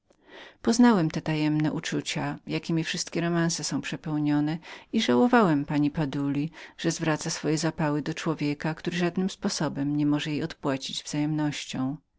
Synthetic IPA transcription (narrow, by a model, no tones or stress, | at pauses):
pɔznawɛmt̪ɛt̪ajɛmnɛʔut͡ʂut͡ɕajakʲimʲifʂɘst̪kʲɛɾɔmansɛsɔ̃w̃pʂɛpɛwɲɔnɛiʐawɔvawɛmpaɲipad̪ulʲiʐ̥ɛzvɾat̪sasfɔjɛzapawɘd̪ɔt͡ʂwɔvʲjɛkakt̪uɾɘʐad̪nɘmspɔsɔbɛmɲɛmɔʐɛjejɔt̪pwat͡ɕid͡ʑvz̥ajɛmnɔɕt͡ɕɔ̃w̃